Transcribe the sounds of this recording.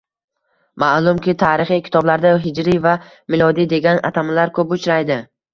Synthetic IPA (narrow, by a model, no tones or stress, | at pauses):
maʔlˠʊmkʲʰɪt̪ʰaːɾɪχijkʲɪ̥t̪ʰɒblaɾd̪aɦɪd͡ʒɾiva | mɪlˠɒd̪id̪e̞ɡʲanʔa̰t̪ʰamlaɾkʰɵpʊt͡ʃʰɾajd̪ɪ